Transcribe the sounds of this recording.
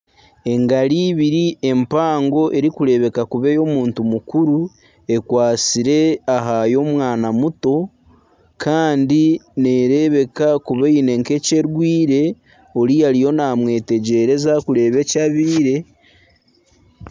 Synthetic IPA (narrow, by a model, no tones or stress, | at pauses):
e̞ŋɡaɾiːβiɾiʔe̞mpaːŋɡo̞ʔe̞ɾikuɾe̞βe̞kakuβe̞jo̞muːntumukuɾu | e̞kwaːt͡siɾe̞aɦajo̞ːmwaːnamuto̞ | kʰaːndine̞ɾe̞βe̞kakuβeine̞ŋke̞ce̞ɾɡwiːɾe̞ | o̞ɾijaɾijo̞naːmwe̞ːte̞ɟe̞ɾe̞zakuɾe̞ːβe̞caβiːɾe̞